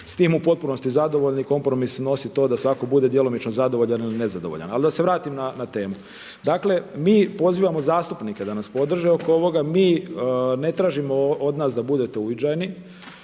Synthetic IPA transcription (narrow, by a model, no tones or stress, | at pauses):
st̪iːmupo̞t̪̚puno̞st̪izad̪o̞ʋo̞ʎniko̞mpɾo̞misno̞sit̪o̞ːd̪asʋako̞bud̪e̞d̪je̞lo̞mit͡ʃnozad̪o̞ʋo̞ʎaniline̞zad̪oʋo̰ʎa̰nalid̪aseʋɾaːt̪imnanat̪e̞ːmu | d̪aːkle̞miːpo̞ziːʋamo̞zaːst̪upnike̞d̪anaspo̞d̪r̩ʒeo̞kooʋo̞ɡamiːne̞t̪ɾaːʒimo̞od̪naːsd̪abud̪e̞t̪e̞uʋit͡ʃajni